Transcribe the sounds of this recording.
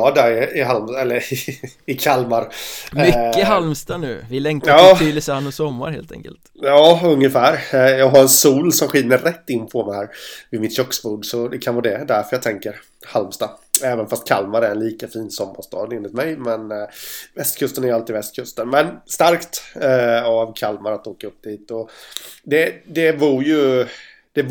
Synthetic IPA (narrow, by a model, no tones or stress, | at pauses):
ɑd̪æɾɪɪɦalmɛlːəɾ | ɪkʰalmaɾmʏːəɦalmst̪anʉ̟̰ːvɪlɛŋtɑːləsəhanːɔsɔmːa̰ɾhḛːlt̪ʰɛ̰ŋkə̰lt̪jɑːɵŋːəfæːɾjɑːɡɦaɾɛnsuːlsɔmɧɪːəɾɾɛt̪ːɪnːpʰɔmɛɪhæːɾvɪdmɪt̪ɕɔkːsbuːɖsɔd̪ɛkʰanvɑːd̪ɛd̪æɾfœɾjɑɡ̚t̪ʰɛŋkəɾ | halmst̪aɛːvənfast̪̚kʰalmaɾæɾɛnliːkafiːnsɔmːaʂt̪ɑ̰ːd̪eːnlɪt̪mɛjmɛnvɛst̪kʰɵst̪ənæɾjalt̪ɪːvɛst̪̚kʰɵst̪ənmɛnst̪aɾkt̪ | avkʰalmaɾat̪oːkaɵpːd̪iːt̪ɔd̪ɛd̪ɛvuːɾjɵ | d̪̥ɛ